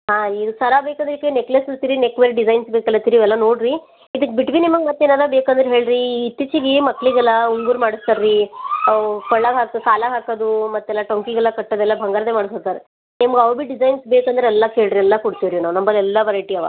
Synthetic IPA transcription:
ɦaːid̪usɐɾabeːkɐnd̪ɐɾikeneklesɐt̪iɾinekʋeɾɖid͡ʒɐjnsbeːkɐlːɐt̪iɾiʋɛlːɐnoːɖɾi | id̪ɨkːebiʈʋinimɐɡmɐt̪ːeːnaːd̪ɐbeːkɐnd̪ɾeɦe̞ːɭɾiːt̪ːit͡ʃiɡemɐkːɭiɡɛlːɐuŋɡuɾmaːɽist̪ɐɾi | kɐɭːaɡɦaːkkaːlaːɡɦaːkɐd̪umɐt̪ːɛlːaʈoŋkiɡɛlːɐkɐʈːɐd̪ɛlːɐbʱɐŋɡaːɾɐd̪emaːɽisot̪aɾe | nimɐɡɐʋbiɖid͡ʒɐjnsbeːkɐnd̪ɐɾeɛlːɐke̞ːɭɾiɛlːɐkuɽt̪iʋɾinaːʋunɐmbɐlɛlːɐʋɐɾɐjʈiɐʋa̰

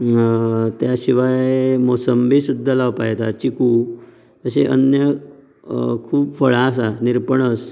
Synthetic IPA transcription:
t̪jaɕiʋaemosəmbʱisud̪ʱːalaʋpa̰jt̪at͡ɕiku | əseʔə̰njə | kʰuːpfəɭas̬aniɾpəɳəs

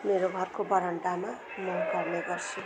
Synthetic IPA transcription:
meɾoɡʱʌrkobʌɾʌɳʈama | mʌnkʌrneɡʌrt͡sʰu

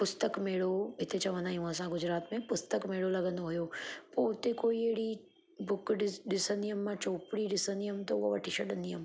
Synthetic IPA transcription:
pʊst̪əkmeːɽoɦɪt̪et͡ɕɐʋə̃nd̪aːɦĩɦũəsãɡʊd͡ʑɾaːt̪mẽpʊst̪əkmeːɽolɐɡə̃nd̪oɦʊjopoːʊt̪ekoːieɦɪɽi | bʊkɗɪɗɪsənd̪ijəmːãt͡ɕoːpɪɽiɗɪsə̃nd̪ijʊmt̪ɐʊɦoʋɐʈʰiʃʰɐɗə̃nd̪iɦʊm

